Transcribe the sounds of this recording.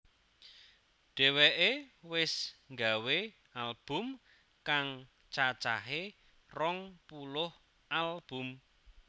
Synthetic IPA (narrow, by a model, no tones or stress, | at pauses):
ɖ̥ɛ̤wɛʔewɪsŋɡawe | alb̥ʊ̤m | kaŋ | t͡ʃat͡ʃaɦe | rɔŋpulʊh | alb̥ʊ̤m